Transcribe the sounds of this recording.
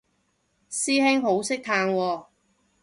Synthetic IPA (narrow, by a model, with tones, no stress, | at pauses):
siː˥ɦɪ˥ŋɦo˨˥wsɪ˥k̚t̪ʰaː˧ŋwɔː˧